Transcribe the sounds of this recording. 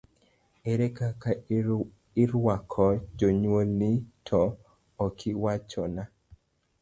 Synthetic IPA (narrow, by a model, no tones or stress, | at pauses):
ɛɾɛkaka | ɪɾwakʰɔd͡ʒoɲwolnitʰɔː | kʰɪwat͡ʃɔna